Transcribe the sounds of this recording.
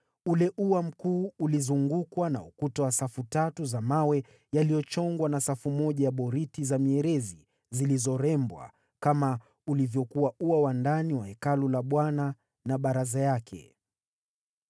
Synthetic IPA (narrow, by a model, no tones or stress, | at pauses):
ulɛʔuwam̩kuːulizuŋɡukwana̰ṵkutawasafutatuzamawɛ | jalijɔt͡ʃɔŋɡwanasafumɔʄajaɓɔɾitizamiɛɾɛzi | zilizɔɾɛmbwa̰ | kama | ulivjɔkuwauwawandaniwahɛkalulaɓwana | naɓaɾazajakʰɛ̰